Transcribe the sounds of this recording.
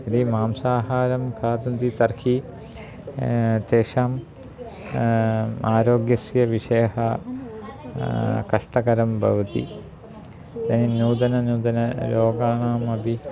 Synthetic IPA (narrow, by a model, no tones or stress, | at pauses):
ɾimaːmsaːɦaːɾɐmkʰaːd̪ɐnd̪it̪ɐrhʰi | t̪eːʂaːm | aːɾoːɡjɐsjɐʋiʂeːɦɐ | kɐʂʈɐɡɐɾɐmbʱɐ̰ʋɐt̪ḭ | d̪ɐninuːd̪ɐnɐnuːd̪ɐnɐɾoːɡaːɳaːmɐbʱi